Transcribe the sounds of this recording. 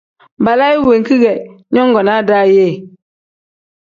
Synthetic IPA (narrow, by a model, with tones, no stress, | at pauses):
ba˨la˦i˦we˨ŋ˨ki˦ɡɛ˨ | ɲɔ˦ŋ˦ɡɔ˨na˦da˦je˦˨